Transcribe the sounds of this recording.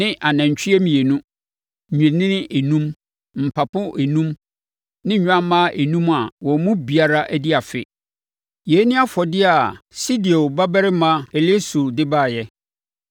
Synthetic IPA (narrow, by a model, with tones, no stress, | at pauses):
nɪ̃˦ʔa˨nã˨ɲ˨t͡ɕʰᶣɪ˦ɛ˦m˨jɛ˨nũ˦˨ | ɲᶣɛ̃˨nɪ̃˦nɪ̃˦ʔe˨nũ˦m | m̩˨pʰa˨pʊ̃˦ʔe˨nũ˦m | nɪ̃˦ɲᶣ˦ã˦mãː˦ʔe˨nũ˦ma˨wɔ̃˨˦mũ˦bi˨a˨ɾa˦ʔæ˦di˦a˨fɪ̰˦ | jɛ˨˦nɪ̃˦a˦fɔ˨dɪ˦a˨si˦di˨o˨ba˦bɛ˦ɾɪ˦mã˦ɛ˨le˦su˨dɪ˦baː˦˨jɛ˦